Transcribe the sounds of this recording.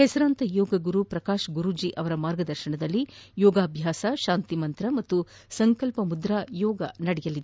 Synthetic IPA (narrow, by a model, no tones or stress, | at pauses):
hɛsɐɾaːnt̪ɐjɔːɡɐɡuɾupɾɐkaːʃɡuɾud͡ʒiʔɐʋɐɾɐmaːɾɡɐd̪ɐɾʃɐɳɐd̪ɐlːijɔːɡaːbʱjaːsɐʃaːnt̪imɐnt̪ɾɐmɐt̪ːu | sɐŋkɐlpɐmud̪ɾajɔːɡɐ̰nɐɽɛjɐlid̪ee